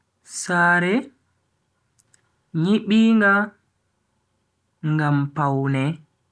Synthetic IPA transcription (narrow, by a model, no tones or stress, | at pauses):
saːɾɛ | ɲiɓiːŋɡa | ŋɡampawnɛ